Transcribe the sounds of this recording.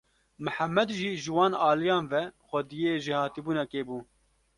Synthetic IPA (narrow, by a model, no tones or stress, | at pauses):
mɨħamːɛd̪ʒiːʒɨwɑːnɑːlijɑːnvɛxʷɛd̪ijeːʒihɑːt̪iːbuːnɛkeːbuː